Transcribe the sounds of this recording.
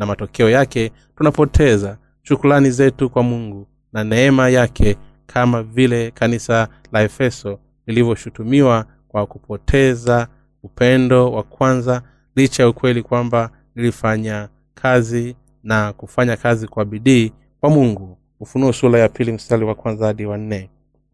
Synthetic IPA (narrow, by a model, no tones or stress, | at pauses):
namatɔkɛɔjakɛ | tunapɔtʰɛza | ʃukulanizɛtukwamuŋɡu | nanɛɛmajakʰɛ | kʰamavilɛkanisa | laɛfɛsɔ | lilivjɔʃutumiwa | kwakupʰɔtʰɛza | upɛndɔwakwanza | lit͡ʃajaukwɛlikwamba | nilifaɲa | kʰazi | nakufaɲakazikwaɓiɗiː | kwamuŋɡu | ufunuɛsulajapʰilim̩staliwakwanzahaɗiwan̩ːɛ